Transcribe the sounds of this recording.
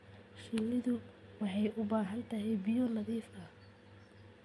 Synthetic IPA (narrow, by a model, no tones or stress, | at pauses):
ʃɪlːɪðʊwɑħɑjʔʊbaːɦɐnt̪ʰɐɦɛjbɪjɔnɑðiːfɐ